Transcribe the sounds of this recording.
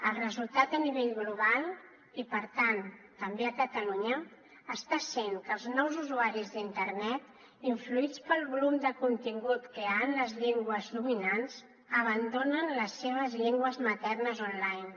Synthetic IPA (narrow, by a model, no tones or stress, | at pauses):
əlˠrəzulˠt̪at̪əniβeʎɣluβ̞alˠ | ipəɾt̪ant̪əmbeəkət̪əluɲəː | st̪asenkəlˠznɔwzuzuaɾizðint̪əɾnɛt̪ | iɱfluit͡spəlˠβulumd̪əkunt̪iŋɡut̪kəanləzʎeŋɡwəzðuminanz | əβ̞ənd̪onənləsːeβ̞əzʎeŋɡwəzmət̪ɛrnəzɔnlajn